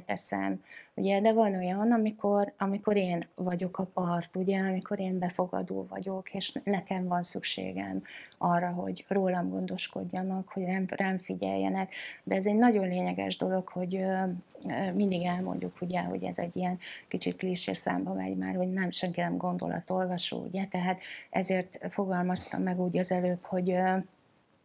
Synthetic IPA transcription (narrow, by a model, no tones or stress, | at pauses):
t̪ɛsɛ̰muɟɛd̪ɛvɒno̞jɒnɒmiko̞rɒmiko̞ɾeːnvɒɟo̞kɒpɒrt̪uɟɛɒmiko̞ɾeːmbɛfo̞ɡɒ̰d̪o̰ːvɒ̰ɟo̞keːʃnɛkɛɱvɒnsykʃḛːɡɛ̰mɒrːɒɦo̞̰ɟroːlɒmɡo̞nd̪o̞ʃko̞̰ɟːɒnɒkho̞ɟrɛmrɛɱfiɟɛ̰jːɛ̰nɛkd̪ɛːzɛɟnɒɟo̞nleːɲɛɡɛ̰ʒd̪o̞lo̞kho̞ɟ | mind̪iɡɛlmo̰ɲɟukʰuɟɛho̰ɟɛ̰zɛ̰ɟːijɛnkit͡ʃit̪̚kliːʃḛːksa̰ːmbɒmɛ̰ɟma̰ːrho̞ɟnɛmʃɛŋkinɛmɡo̞nd̪o̞̰lʔɒ̰t̪o̞lvɒʃo̰ːṵɟɛt̪ɛɦaːt̪ɛzeːrt̪fo̞ɡɒlmɒst̪ɒ̰mːɛɡuːɟɒzɛløːpho̞ɟ